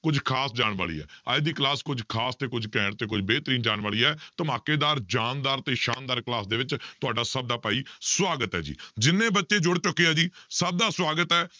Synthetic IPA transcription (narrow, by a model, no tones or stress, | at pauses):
kʊd͡ʒkʰaːsd͡ʒaːɳʋa̰ːɭḭːɛ̰ːa̰ːjd̪iːklaːskʊd͡ʒkʰaːst̪eːkʊd͡ʒkɛ̃ːɳt̪eːk̬ʊd͡ʒbeːt̪ɾiːnd͡ʒaːɽʋaːɭiːɛːt̪əmaːkeːd̪aːɾd͡ʒaːnd̪aːɾt̪eːʃaːnd̪aːɾklaːsd̪eːʋɪt͡ʃt̪ʊaːɖaːsəb̚d̪aːpaːiːswaːɡət̪ɦɛ̰ːd͡ʒḭːd͡ʒɪnːẽːbətːʃeːd͡ʒʊɽt͡ʃʊkːeːaːd͡ʒiːsəb̚d̪aːswaːɡət̪ɛː